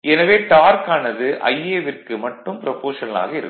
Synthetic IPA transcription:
ʔɛnɐʋeːʈaːɾkaːnɐðɯʔɐ̰jeːʋɪrkɯmɐʈːɯmpɪɾɐpoːʂɐnɐla̰ːɣɐɪɾɯ̰kː

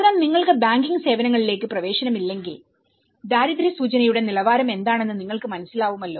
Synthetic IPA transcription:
ɾaːmniŋːɐɭkɨbaːŋɡiŋɡɨse̞ːʋɐnɐŋːɐɭile̞ːkːɨprɐʋe̞ːʂɐnɐmilːe̞ŋɡil | d̪aːɾid̪ɾisuːt͡ɕɐnɐjuɽe̞nilɐʋaːɾɐme̞nd̪aːɳe̞nːɨniŋːɐɭkɨmɐnɐsilaːʋumɐlːo̞ː

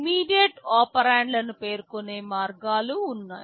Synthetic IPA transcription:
miːɖijɐʈaːpɐɾaːɳɖlɐnupe̞ːɾukone̞ːmaːɾɡaːluːnːa̰ːj

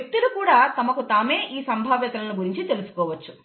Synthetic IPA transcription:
k̚t̪ulukuːɽaːt̪ɐmɐkut̪aːme̞ːʔiːsɐmbʱaːʋjɐt̪ɐlɐluɡuɾiɲt͡ʃit̪e̞lusu̥kɔːʋɐt͡ʃːu̥

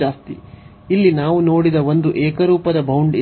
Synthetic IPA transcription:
aːst̪ḭ | ilːinaːʋuno̞ːɽid̪ɐʋond̪uʔɛːkɐɾuːpɐd̪ɐbʱɐwuɳɖ

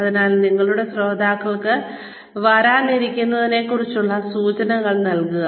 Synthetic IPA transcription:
ɐðinaːlniŋːɐɭuɽe̞sro̞ːd̪aːkːɐɭkɨ | ʋɐɾaːniɾikʲːunːɐðine̞kurit͡ɕːuɭːɐsuːt͡ɕɐnɐŋːɐɭnɐlkuɣɐ

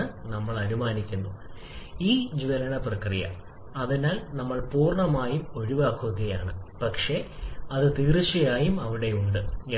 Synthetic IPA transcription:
ɨnɐmːɐɭɐɾumaːnikʲːunːu | iːd͡ʑʋɐɾɐɳɐprɐkrijɐ̰ | ɐðinaːlnɐmːɐɭpuːrɳɐmaːjumo̞ɻiʋaːkːuʋɐɣɐja̰ːɳɨ̰pɐkʂe̞ɐðɨt̪iːrt͡ɕːɐjaːjumɐʋiɽe̞uɳɖɨ

